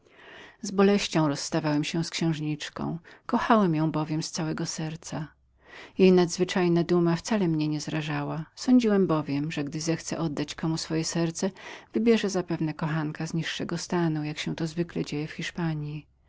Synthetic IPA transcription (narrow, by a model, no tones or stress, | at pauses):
zbɔlɛɕt͡ɕɔ̃w̃ɾɔsːt̪avawɛmɕɛskɕɛ̃w̃ʐɲit͡ʂkɔ̰̃w̃kɔxawɛmjɔ̃w̃bɔvʲjɛmst̪sawɛɡɔsɛɾt̪sa | jejnad̪zvɘt͡ʂajnad̪umaft̪salɛmɲɛɲɛzɾaʐawasɔɲd͡ʑiwɛmbɔvʲjɛmʐɛɡd̪ɘzɛxt̪sɛ̰ʔɔd̪ːat͡ɕkɔmusfɔjɛsɛɾt̪sɛvɘbʲjɛʐɛzapɛvnɛkɔxaŋkazɲiʂːɛɡɔst̪anujakɕɛ̃t̪ɔzvɘklɛd͡ʑejɛfxʲiʂpaɲji